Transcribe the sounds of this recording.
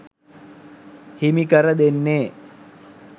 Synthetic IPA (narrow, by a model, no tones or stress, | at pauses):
himikəɾəd̪enːeː